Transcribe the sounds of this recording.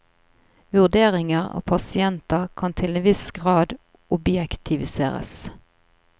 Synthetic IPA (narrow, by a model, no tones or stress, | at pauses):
ʋʉʁd̪eːʁɪŋəʁo̰ːpʰɑsɪɛnt̪əʁkʰɑnt̪ʰɪleːnʋɪsɡʁɑːd̪ | ʊbjɛkt̪ʰɪʋɪsḛːʁə̰s